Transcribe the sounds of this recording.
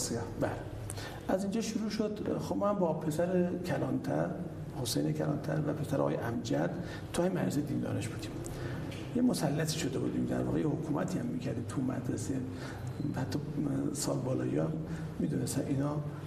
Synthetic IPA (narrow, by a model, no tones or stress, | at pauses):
sbæle | æzind͡ʒɒʃuɾuːʃod̪̥xobmɔhæmbɒpʰesæɾekʰælɒːnt̪ʰæɾ | hosejnekʰælɒ̰ːnt̪ʰæ̰ɾvæpʰe̞sæɾʔɒɒ̰jeʔæmd͡ʒæd̪̥ | t̪ʰːɒːhæmmæ̰ɾsed̪ind̪ɒ̰ːɾeʃb̥uːd̪im | jemosælːæt̪ʰiːʃod̪ebṵːd̪imd̪æ̰ɾvɒ̰ːɣejehokʰumæt̪ʰiːhæmːicʰæɾd̪imt̪ʰumæ̰d̪ɾese | hæt̪ːɒsɒ̰ːlbɒːlɒ̰ːjḭmː | iːd̪unest̪ænʔinɒ